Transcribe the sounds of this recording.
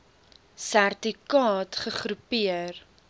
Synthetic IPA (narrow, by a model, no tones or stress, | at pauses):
særtikɑːtχəχɾupiər